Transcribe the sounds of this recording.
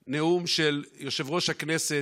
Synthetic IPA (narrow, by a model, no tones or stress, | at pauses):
neumʃeljo̞ʃe̞vʁo̞ʃhaknese